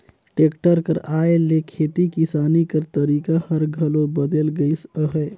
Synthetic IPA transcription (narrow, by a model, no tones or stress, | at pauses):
ʈekʈəɾkəɾaːelekʰeːt̪ikisaːnikəɾt̪əɾiːkahəɾɡʱəlobəd̪elɡəɪsəɦə